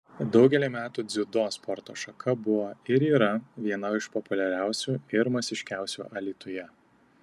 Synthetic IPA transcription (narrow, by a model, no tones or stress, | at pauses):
d̪ɒʊɡʲɛlʲimʲæːt̪uːd̪zʲʊd̪oːspʰɔɾt̪o̰ːʃɐkʰɐbʊʋoːɪɾiːɾɐʋʲiɛnɐɪʃpɔpʊlʲɛɾʲæˑʊsʲuːɪɾmɐsʲɪʃʲkʲæˑʊsʲṵːʔɐlʲiːt̪ʊjɛ